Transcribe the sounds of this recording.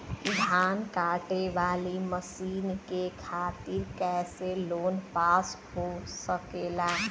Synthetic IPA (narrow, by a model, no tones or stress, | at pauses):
ɪd̪ʱaːnkaːʈeʋaːliməsiːnkekʰaːt̪iɾkɛːseloːnpaːsɦosəkela